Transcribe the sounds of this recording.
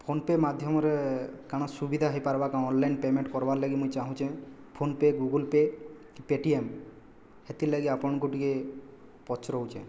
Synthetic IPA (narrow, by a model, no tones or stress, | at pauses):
pʰonpemad̪ʱjɔmɔɾekaɽ̃ɔsubid̪ʱaɦepaɾbakãɔnlajnpemeɳʈkɔɾbaɾlaɡimũjt͡ʃaɦũt͡ʃʰẽ | pʰonpeɡuɡulpekipeʈiem | het̪ilaɡiapɔɳ̃ɡuʈike | pɔt͡ʃɾɔɦut͡ʃʰḛ